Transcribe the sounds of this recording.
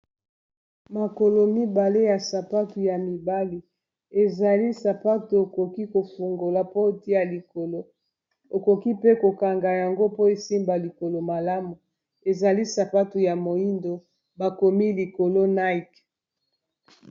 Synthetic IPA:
ma˨ko˨lo˨mi˦ba˨le˦ja˨sa˨pa˦tu˨ja˨mi˨ba˦li˨ | e˨za˨li˦sa˨pa˦tu˨o˨ko˨ki˦ko˨fu˨ŋɡo˨la˨po˦˨ti˦a˨li˨ko˨lo˦ | o˨ko˨ki˦pe˦ko˨ka˨ŋɡa˨ja˨ŋɡo˦po˦e˨si˦mba˨li˨ko˨lo˨ma˨la˦mu˨ | e˨za˨li˦sa˨pa˦tu˨ja˨mo˨i˦ndo˨ | ba˨ko˨mi˦li˨ko˨lo˦na˦i˨k

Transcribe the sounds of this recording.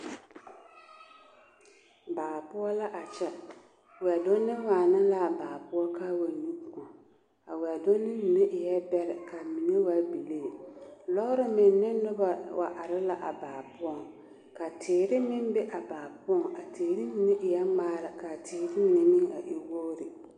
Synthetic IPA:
baː˨pʊ˦ɔ˦la˦ʔa˨t͡ʃɛ˦ | wɛ˨dʊ˦nːɪ˦maː˨nɪ˦la˦˨baː˨pʊ˦ɔ˦kaː˦wa˨nu˦˨kʊ˨ŋ | a˨wɛ˨dʊ˦nːɪ˦ni˨nɪ˦ʔɪ˨jɛ˦bɛ˦ɾɪ˨ka˨mi˨ne˦wa˦bi˨leː˦˨lɔ˦ɾɪ˦mɪ˨nːɪ˦nʊ˦ba˨wʔa̰˨ʔa˨ɾɪ˦la˦ʔa˨baː˨pʊ˦ɔ˦˨ŋ | ka˨tɪː˨ɾɪ˦mɪ˦nbɛ˦ʔa˨baː˨pʊ˦ɔ˨ŋa˨teː˨ɾɪ˦ni˨ne˦ʔɪ˨jɛ˦ŋ͡maː˦la˨ka˨tʰɪː˨ɾɪ˦mɪ˨ne˦mɪ˦ŋa̰˨ʔɪ˦wo˦ɾɪ˨

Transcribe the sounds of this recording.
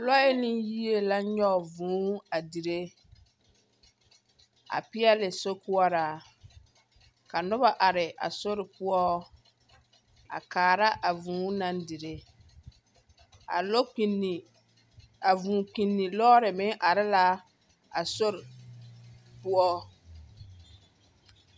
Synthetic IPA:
lɔ˦e˦lɪ˦ji˦e˦la˦ɲɔ˦˨vũː˨˦a˨di˨ɾe˦ | a̰˨pɪ˦ɛ˦lɪ˨so˦kʊ˦ɔ˦ɾa˨ | ka˨nʊ˦ba˨ʔa˨ɾɪ˨ʔa̰˨so˦ɾɪ˨pʊ˦ɔ˦ | a̰˨kaː˨ɾa˦ʔa˨vũː˨˦na˦ndi˨ɾe˦ | a̰˨lo˦˨ | a˨vũː˨ki˨nːi˨lɔː˦ɾɪ˨mɪ˦ŋʔa˨ɾɪ˦la˦ | a˨so˦ɾɪ˨ | pʊ˦ɔ˦

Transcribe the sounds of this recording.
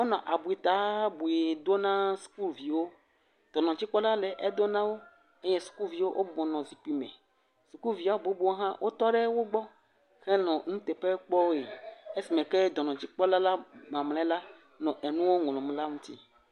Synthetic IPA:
wo˦nɔ̃˨ʔa˨bu˨e˨t̪a˨˦bu˨e˨d̪o˦nã˦su̥˨ku˦lvi˨wo˦ | d̪̥ɔ˨nɔ̃˨d͡ʑi˦k͡pɔ˦la˦lɛ˨ʔe˦d̪o˦nã˦wo˦ | e˦jɛ˦su̥˨ku˦lvi˨wo˦ʔo˦bu˨bɔ̃˨nɔ̃˨zi˨k͡pi˨mɛ̰̃˨ | su˨ku˦lvi˨a˨wo˦bo˨˦bu˦wo˦ɦã˦wʔo˦t̪ɔ˦ɖɛ˦wo˦ɡ͡bɔ˦ | xɛ˦nɔ̃˨ŋũ˦t̪ɛ˨pɛ˦k͡pɔ˦wo˦e˨e˦si˨mẽ˨kɛ˦d̪ɔ˨nɔ̃˨t͡ɕi˦k͡pɔ˦la˦la˦mã˨mlɛ̃˦la˦ | nɔ̃˨ʔe˨nũ˦wo˦ŋ˨lɔ̃˨mũ˦la˦ŋũ˦t̪i˦

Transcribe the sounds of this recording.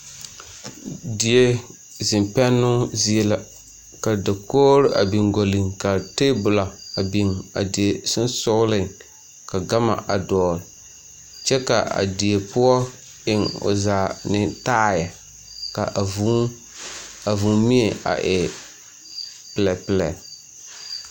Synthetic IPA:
di˨e˦ | zɪ˨mpɛ˦nːʊ˦zi˦e˦la˨ | ka˨da˨koː˦ɾɪ˦ʔa̰˨bi˨ŋɡo˨lɪ˨ŋka˨teː˦bʊ˨la˨a˨bi˨ŋa̰˨dɪ˨e˨sʊ˦n˦sʊ˦ɣlɪ˦˨ŋ | ka˨ɡa˦ma̰˨ʔa̰˨dɔː˨ɾɪ˨ | t͡ʃɛ˦ka̰˨a̰˨di˨e˨pʊ˦ɔ˦ | ɪ˨ŋʊ̰˨zaː˨nɪ˦taː˦ja˨ | ka̰˨vu˦ | a˨vu˨ŋmi˦e˨a̰˨ʔɪ˨ | pɪ˨lɛ˨pɪ˨lɛ̰˨

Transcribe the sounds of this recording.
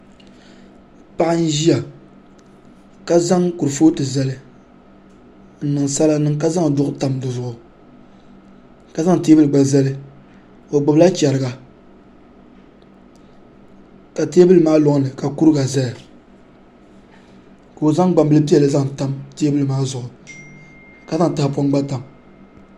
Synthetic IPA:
pa˦˨ʔa˦n̩˦ʒi˦ja˨ | ka˦za˦ŋku˨ɾɨ˨foː˦tɨ˨zɛ˦lɨ˦ | n̩˨nɨ˨ŋsa˦la˦nɨ˦ŋka˦za˦ŋ˨dʊ˦ʔʊ˦ta˨mdɨ˨zʊ˨ʔʊ˨ | ka˨za˦ŋ˨te˦bɨ˦lɨ˨ɡ͡ba˨zɛ˦lɨ˦ | o˨ɡ͡bʊ˨bla˦t͡ʃa˨ɾɨ˨ɡa˨ | ka˨te˦bɨ˦lɨ˨˦maː˦lʊ˨ŋ˦nɨ˨ka˨ku˦ɾɨ˦ɡa˨zɛ˦ja˨ | ko˨o˨za˦ŋɡ͡ba˨mbɨ˦lɨ˦pi˦ɛ˨lɨ˦za˦ŋta˦mte˦e˦bɨ˦lɨ˨maː˦zʊ˨ʔʊ˨ | ka˨za˦ŋ˨ta˦pɔ˦ŋɡ͡ba˦ta˨m

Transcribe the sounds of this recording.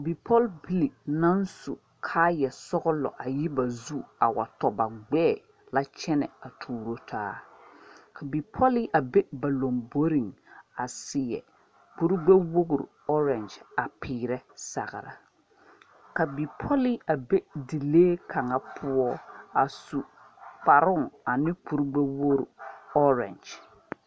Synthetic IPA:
bi˨pʰɔ˦lbi˦li˨na˦n˦su˨ | kʰaː˦jɛ˨sɔ˦ɣʊ˦lɔ̰˨ʔa˨ji˦ba˨zu˦a˨wa̰˨tɔ˨ba˨ɡ͡bɛ˦˨ | la˦t͡ʃɛ˦nɛ̰˨a˨tʰuː˨ɾo˦tʰaː˦ | ka˨bi˨pʰɔ˦li˦ʔa˨be˦ba˨lo˨mbo˦ɾi˨ŋa˨sɪ˨jɛ̰˨ | k͡pu˦ɾɡ͡be˦wo˦ɡɾ̰ɔ˦ɾɛ˨nd͡ʒa˨pʰiː˨ɾɛ˦sa̰˨ɣɪ̰˨ɾa̰˨ | ka˨bi˨pʰɔ˦li˦a˨be˦di˨leː˦kʰa˨ŋa˦pʰʊ˦ɔ˦a˨su˨ | k͡pa˨ɾʊ˦ŋa˨nɪ˦k͡pu˨ɾɡ͡be˦wo˦ɾɔ˦ɾɛ̰˨nd͡ʒ

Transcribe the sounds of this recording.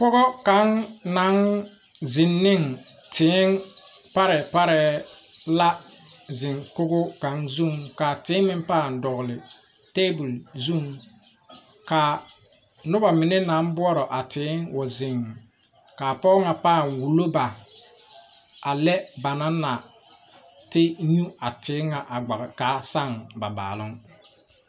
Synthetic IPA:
pɔ˦ɣɔ˦ka˨˦ŋnːa˦ŋ | zɪ˨nːɪ˦˨ŋ | tʰɪː˨˦ŋpa˦ɾɛ˨pa˦ɾɛ˨la˦zɪ˨ŋkʊ˦ɣʊ˦ka˨ŋzu˦˨ŋka˨tɪ˨˦mɪ˦m˦paː˦˨ndɔ˨ɣʊ˨lɪ˨ | teː˦bʊ˨lzu˦˨ŋ | ka˨ | nʊ˦ba˨mɪ˨nɛ˦na˨˦m˦bʊ˦ɔ˦ɾɔ˨ʔa˨tʰɪ˨˦ŋwʊ˨zɪ˨ŋ | ka˨pɔː˦ŋa˨paː˦˨nwu˨lo˦ba˨ | a˨lɛ˦ba˨na˦na˨ | tɪ˦ɲu˦a˨tʰɪ˨˦ŋa˨ʔa˨ɡ͡ba˨ka˦sa˦˨ŋba˨ba̰ː˨lʊ˦ŋ

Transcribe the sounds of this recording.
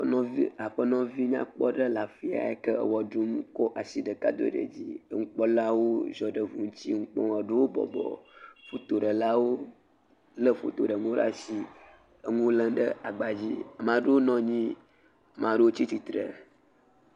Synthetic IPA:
ñ˦i˦a˨ɸə˦nɔ̃˦vi˦ɲã̰˦k͡pɔ˦ɖə˦la˨fi˦a̰˨e˦kə˦ə̰˨wɔ˨ɖu˦m˦kɔ˦ʔa˨si˦ɖə˨ka̰˦d̪o̰˦ɖə̰˨d͡ʑi˦ə˦ŋũ˦k͡pɔ˦la˦wo˦zɔ˨ɖə˨vu˨ŋ̩˦t͡ɕi˦ŋu˦k͡pɔ̰̃˦ə˨ɖə˦wo˦bɔ̰˨bɔ̰˨fo˨t̪o˨ɖə˨la˦wo˦ | lə˦fo̰˨t̪o˨ɖə˨ŋũ˦ɖa̰˦si˦ | ə˦ŋũ˦lə̃˦ɖə̰˦a˨ɡ͡ba˨d͡ʑi˦˨mã˨ɖo˦wo˦nɔ̃˦ɲĩ˦˨ | mã˨ɖo˦wo˦t͡ɕi˦t̪i˨t̪ɾə̰˨

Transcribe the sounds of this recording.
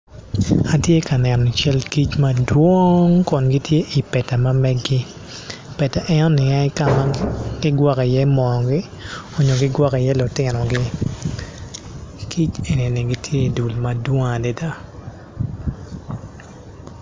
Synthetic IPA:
a˨tje˦ka˨nɛ˨nɔ˨t͡ʃɛ˦lki˦t͡ʃma˦dwo˦ŋkɔ˨nɡi˦tje˦ʔi˨pɛ˨ta˨ma˦mɛ˦ɡɡɪ˦ | pɛ˨ta˨ʔɛ˦nɔ˦nɪ˨a˦ɪ˦ka˦ma˦ɡɪ˦ɡwɔ˦ki˨jɛ˦mɔ˨ɡɪ˦ | o˨ɲo˨ɡɪ˦ɡwɔ˦ki˨jɛ˦lʊ˨tɪ˨nɔ˨ɡɪ˦ | kʰi˦t͡ʃe˨ni˨ni˨ɡi˦tʰje˦i˨du˨lma˦dwɔ˦ŋa˨dɛ˦da˦

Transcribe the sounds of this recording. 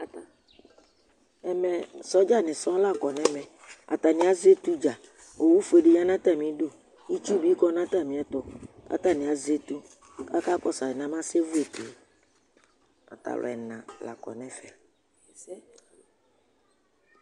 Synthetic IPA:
t̪ | ɛ˨mɛ̃˨sɔ˦d͡ʒa˦nɪ̃˨sɔ˦la˦kɔ˨nɛ̃˦mɛ̃˨ | a̰˨t̪a˨nĩɪ̃˨˦a˦ze˦t̪u˦d͡ʒa˨ | o˨wu˦fe˨ɖi˦ɲã˦nã˦t̪a˦˨mĩ˦ɖu˦ | i˦t͡ʃu˦bi˦kɔ˦nã˦t̪a˦˨mĩ˨ɛ˦t̪ɔ˦ka̰˦t̪a˦nɪ̃˨a˨ze˦t̪u˦ | ka˦ka˦kɔ˦sa˨ɛ˨nã˦mã˦se˦vu˦e˨t̪u˨ | a̰˨t̪a̰˨lʔɔ̰˨ɛ˨nã˨la̰˨kɔ̰˨nɛ̃˨fɛ˨

